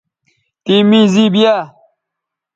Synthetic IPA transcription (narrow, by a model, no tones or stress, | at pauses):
t̪iːmiziːbijaː